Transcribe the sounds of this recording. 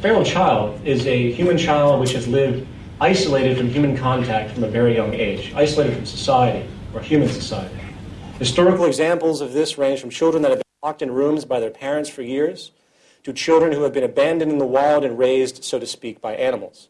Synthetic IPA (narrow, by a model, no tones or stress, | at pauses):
fɛɹl̩ˠt͡ʃʰaɪlˠdɪzɨjʉmɨ̃nt͡ʃʰaɪlˠd̚wɨt͡ʃhɨzlɪvd | aɪsəleɪɾɨd̥fɹʌ̃mjʉmɨ̃nkʰɑ̃ntʰæk̚tfɹʌ̃mɨvɛɹijʌ̃ŋeɪd͡ʒaɪsəleɪɾɨd̥fɹʌ̃msə̥saɪɨɾi | ə˞hjʉmɨ̃nsɨsaɪɨɾihɨstɔɹɨkl̩ˠɨɡzæ̃mpl̩ˠzʌvðɪsɹẽɪ̃nz̥fɹʌ̃mt͡ʃʰɪlˠdɹə̃nðɨt̚hɨvb̃nʰɑk̚tɨ̃nɹũmzbaɪðə˞pʰɛɹɨ̃ntsfə˞jɪɹz̥ | tʰɨt͡ʃʰɪlˠdɹɨ̃nhuɨvbɨ̃ñɨbæ̃ndɨ̃ndɨ̃nðəwaɪlˠdɨ̃nɹeɪzd̥soʊɾɨspik̚b̥aɪʔænəm̩l̩ˠz̥